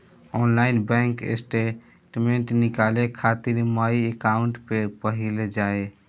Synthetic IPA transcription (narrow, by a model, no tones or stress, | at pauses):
ɔːnlaɪnbɛ̃ŋkḛsʈe | ʈmeɳʈnɪkalekʰat̪iɾmaiekaʊɳʈpepəɦild͡ʒaːe